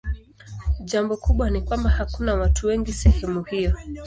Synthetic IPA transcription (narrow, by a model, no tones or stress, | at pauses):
ʄambɔkuɓwanikwambahakunawatuwɛŋɡisɛhɛmuhijɔ